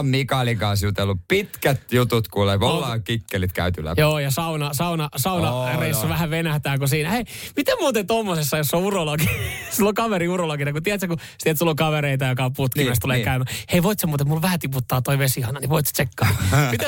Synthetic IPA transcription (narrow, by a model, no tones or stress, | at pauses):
mikɑlikɑːˑsjut̪eolːuppit̪kæt̪jut̪ut̪kuleolɑːkikːelit̪kæ̰yt̪ylːæ̰joːjɑsɑunɑsɑunɑsɑunɑreisːɑʋæhæʋenæht̪æːkusiːnæheimit̪emmuːt̪et̪omːosesːɑjosːouroloɡisilːokɑʋeɾiuroloɡinɑkut̪iæt̪seku | st̪iet̪solːokɑʋeɾeit̪ɑjokɑput̪kimæst̪uleːkæymæheiʋoit̪semːot̪emulʋæhæt̪iput̪ːɑːt̪oiʋesihɑnɑniʋoit̪st̪sekːɑːmit̪